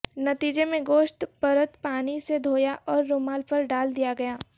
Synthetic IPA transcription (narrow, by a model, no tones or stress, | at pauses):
nɐt̪iːd͡ʒemẽɡoːʃʈpɐɾət̪paːnised̪ʱoːjaʔɔːɾːomaːlpɐɾɖaːld̪ijaɡɐjaː